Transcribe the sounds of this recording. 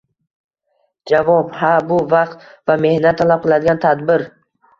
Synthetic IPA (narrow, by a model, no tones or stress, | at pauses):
d͡ʒavɒbhabʊvɑqt̪vame̞hnat̪ʰːalap̚qʰɨlˠad̪ɪɡʲant̪ʰad̪bɪɾ